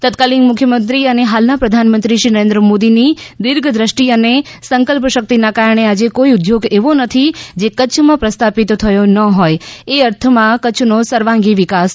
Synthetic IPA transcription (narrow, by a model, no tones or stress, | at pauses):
t̪ət̪kalinmʊkʰjəmənt̪ɾiəneɦalnapɾəd̪ʱanmənt̪ɾiʃɾinəɾẽnd̪ɾəmod̪inid̪ɪɾɡʱd̪ɾəʃʈiənesəŋkəlpəʃək̚t̪inakaɾəɳ̃ead͡ʒekoiʊd̪joɡeʋonət̪ʰid͡ʒekət͡ʃʰmãpɾəst̪ʰapit̪ot̪ʰəjonəɦojeəɾt̪ʰəmãkət͡ʃʰnosəɾʋãŋɡiʋɪkas